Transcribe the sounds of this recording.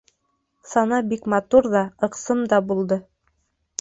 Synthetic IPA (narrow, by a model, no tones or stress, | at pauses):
sɑnɑbikmɑt̪uɾðɑɤ̆qsɤmd̪ɑbulˠd̪ɤ